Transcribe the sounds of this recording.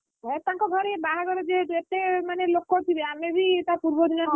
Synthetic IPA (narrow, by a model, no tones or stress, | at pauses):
ɦɛ̃t̪ãŋkɔɡʱɔɾebaɦaɡɔɾɔd͡ʒeɦeʈuet̪emanelokːɔt̪ʰibeamebʱit̪apuɾbɔd̪inɔ